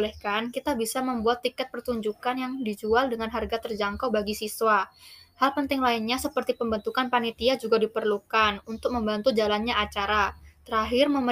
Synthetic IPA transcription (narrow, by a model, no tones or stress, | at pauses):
lɛhkankit̪abisaməmbuat̪ːikɛt̪̚pərt̪uɲd͡ʒukanjaŋdid͡ʒualdəŋanɦarɡat̪ərd͡ʒaŋkowbaɡisiswahalpənt̪ɪŋlainɲasəpərt̪ipəmbənt̪ukanpanit̪iad͡ʒuɡadipərlukanunt̪ʊk̚məmbant̪ud͡ʒalanɲaːt͡ʃaɾat̪əɾaɦɪrməm